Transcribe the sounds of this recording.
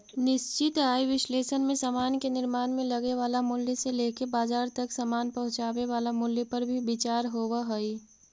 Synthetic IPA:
nɪst͡ʃɪt̪aːiʋɪsleːʃənmẽsamaːnkenɪɾmaːnmẽlɐɡeʋaːlamʊljəseleːkebaːd͡ʒaːɾt̪ɐksəmaːnpɐɦʊ̃t͡ʃaːweʋaːlamʊljəpəɾbʱibɪt͡ʃaːɾɦoːwaɦəi

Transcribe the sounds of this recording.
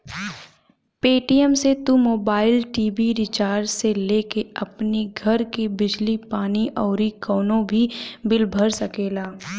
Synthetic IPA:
peːʈijəmset̪umoːbaːɪlʈiːbiɾɪt͡ʃaːɾseleːkeɐpniɡʱɐɾkibɪd͡ʒlipaːniʔɔːɾikɔːnõbʱibɪlbʱəɾsɐkeːlaː

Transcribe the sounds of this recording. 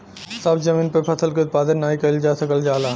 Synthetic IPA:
sɐbd͡ʒɐmĩːnpepʰɐsəlkiʊt̪̚paːd̪ənːaːikɐild͡ʒaːsɐkəld͡ʒaːlaː

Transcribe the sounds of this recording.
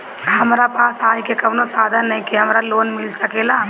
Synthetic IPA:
ɦɐmɾapaːsaːjkekɐʋnosaːd̪ʱənːɐɦĩkiɦɐmɾaloːnmɪlsɐkeːlaː

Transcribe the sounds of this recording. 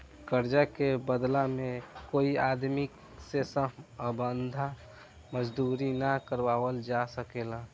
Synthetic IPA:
kəɾd͡ʒakebəd̪lamẽkoiad̪mik | sesəɦəbənd̪ʱa | məd͡ʒd̪uːɾinakəɾbaːwəld͡ʒasəkela

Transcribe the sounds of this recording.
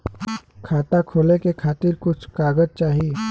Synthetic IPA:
kʰaːt̪akʰoːlekekʰaːt̪ɪɾkʊt͡ʃʰkaːɡəd͡ʒt͡ʃaːɦie

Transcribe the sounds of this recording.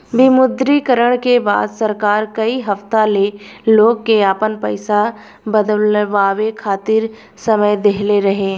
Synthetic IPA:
bɪmʊd̪ɾikəɾəɽ̃keba̰ːd̪səɾkaːɾkɐiɦɐft̪aleloːɡ̚keaːpənpəɪsa | bəd̪əlʋaːwekʰaːt̪ɪɾ | sɐməjd̪eɦleɾɐɦeː

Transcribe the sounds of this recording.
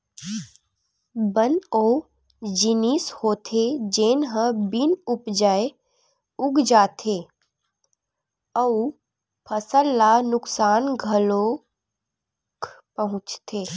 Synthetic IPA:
bənoː | d͡ʒɪnishoːt̪ʰed͡ʒeːnɦə̃bɪnʊpd͡ʒaːe | ʊɡd͡ʒaːt̪ʰeː | əu | pʰəsəlːanʊksaːnɡʱɐlo | kʰpəɦʊ̃t͡ʃt̪ʰeː

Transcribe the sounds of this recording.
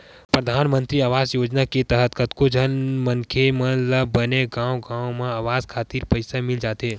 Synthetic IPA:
pɾəd̪ʱaːnmə̃nt̪ɾiaːʋaːzjoːd͡ʒnaket̪əɦət̪̚kət̪kod͡ʒʱənmə̃ŋkʰemə̃ləbəneɡãːwɡãːomẽaːʋaːzkʰaːt̪iːɾpəɪsamɪld͡ʒaːt̪ɦeː

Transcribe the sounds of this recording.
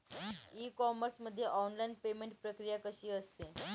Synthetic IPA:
iːkɔməɾsməd̪ʱːjeʔɔnlajnpemeɳʈpɾəkɾijakəɕiːəst̪e

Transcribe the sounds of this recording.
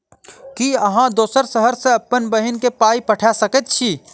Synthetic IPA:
kiɐɦãd̪oːsəɾsəɦəɾseɐpːənbəɦɪnkepaːipəʈʰasəkət̪̚t͡ʃʰiː

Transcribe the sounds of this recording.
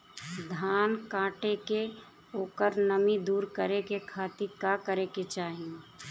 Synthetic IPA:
d̪ʱaːnkãːʈeke | oːkəɾnəmid̪uːɾkəɾekekʰaːt̪ikakəɾeket͡ʃaːɦie

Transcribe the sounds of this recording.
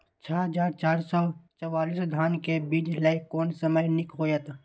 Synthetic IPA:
t͡ʃʰaɦəd͡ʒaːɾt͡ʃaːɾsɔt͡ʃəwaːliːsd̪ʱaːnkebiːd͡ʒləɪkːɔːnsəməjnɪkɦoːjət̪

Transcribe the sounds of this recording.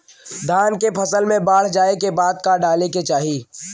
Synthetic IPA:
d̪ʱaːnkepʰəsəlmẽbaːɽ̤d͡ʒaːekebaːd̪̚kaɖaːleket͡ʃaːɦiː

